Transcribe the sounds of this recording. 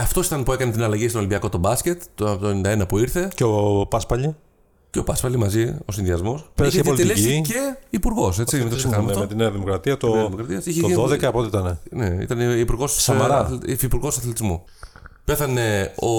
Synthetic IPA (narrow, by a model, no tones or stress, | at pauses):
ɐft̪o̞si̥t̪ɐnpue̞kɐnet̪inɐlɐʝist̪olimbiɐko̞t̪o̞bɐsce̞t̪ːot̪oenind̪ɐe̞nɐpuiɾθe̞ceopɐspɐʎi | ceo̞pɐspɐlimɐzio̞sinðiɐzmo̞spst̪olit̪ileiiceipuɾɣo̞set͡st͡simet̪osxɐɐmɐftomet̪ineɐðimokɾɐt̪iɐt̪oɐimokɾɐt̪iɐsiçeðoðekɐɐpot̪eit̪ɐneneḭt̪ɐneipuɾɣo̞ssɐɐɾɐfipuɾɣo̞sɐθlet̪izmo | pe̞θɐne̞o